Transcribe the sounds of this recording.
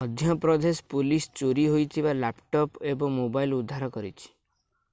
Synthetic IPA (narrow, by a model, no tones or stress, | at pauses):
ɔd̪ʱjɔpɾɔd̪espulist͡ʃoɾiɦojt̪ʰibalapʈɔpebɔŋmobailud̪ʱːaɾɔkɔɾit͡ʃʰi̥